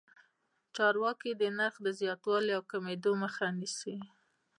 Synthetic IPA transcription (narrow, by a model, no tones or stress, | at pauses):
t͡ʃɑɾwɑkid̪ənaɾxd̪əzjɑt̪wɑliawkamed̪oməxanisi